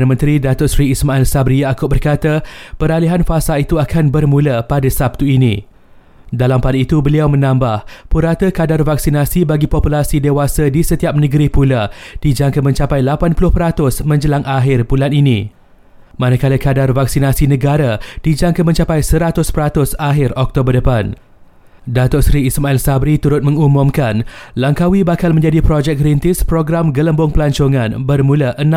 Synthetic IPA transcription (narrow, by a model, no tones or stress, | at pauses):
anəmə̃nt̪ɾidat̪ʊʔsɾiːsmãɛlsabɾiaakʊbərkat̪apəɾaliɦanfasalit̪uakʰanbərmũlapadasap̚t̪uinḭ̃ | dalampadiit̪ubəliawmə̃nãmbahpuɾat̪əkadarvak̚sinasibaɡipɔpulasidewasadisət̪iap̚nəɡəɾipulad̥id͡ʒaŋkamə̃ɲt͡ʃapajlapanpulʊhpəɾat̪ʊsmə̃ɲd͡ʒəlaŋaɦɪrbulaninĩ | mãnakaləkadarvaksinasinə̃ɡaɾad̥id͡ʒaŋkamə̃ɲt͡ʃapajsəɾat̪ʊspəɾat̪ʊsaɦɪrɔk̚t̪obərdəpan | dat̪ɔʔsɾiːsmailsabɾit̪uɾʊt̪̚mə̃ŋumũmkanlaŋkawibakalmə̃ɲd͡ʒadipɾod͡ʒɛk̚ɡɾint̪ɪspɾoɡɾamɡələmbʊŋpəlaɲt͡ʃoŋãnbərmũlaʔəñ